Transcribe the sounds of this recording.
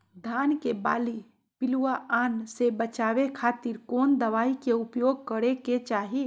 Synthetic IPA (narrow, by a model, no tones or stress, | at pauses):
d̪ʱaːnkeba̰ːli | pɪluaʔaːnsebət͡ʃaːwekʰaːt̪iɾkoːnd̪əʋaːikeʊpjoːɡ̚kəɾeket͡ʃaːɦi